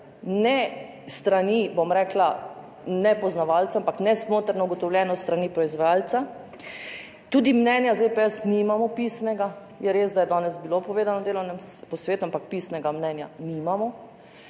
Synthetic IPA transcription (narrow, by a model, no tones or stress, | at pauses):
nɛ | st̪ɾanibomɾɛːkla | nɛpɔznaʋalt̪saampaknɛsmoːt̪əɾnɔuɡɔt̪ɔwlʲjɛnɔst̪ɾanipɾɔizʋajaːlsa | t̪uːd̪imnɛnjazepɛɛsnimamɔpiːsnɛɡa | jɛɾeːzd̪ajɛd̪ɔːnɛzbilopɔʋeːd̪anɔd̪eːlɔwnɛmpɔsʋeːt̪uampak̚piːsnɛɡamnɛːnja̰nimamɔ